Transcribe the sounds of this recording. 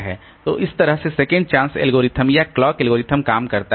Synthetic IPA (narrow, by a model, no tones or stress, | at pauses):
ɦɛ̰ː | t̪o̰ːʔɪst̪ɐɾəɦsesɛːkə̃ɳɖ̚t͡ʃãːnsɛ̰lɡoːɾɪt̪ʰəmjaklɔːkɛlɡoːɾɪt̪ʰəmkaːmkɐɾt̪a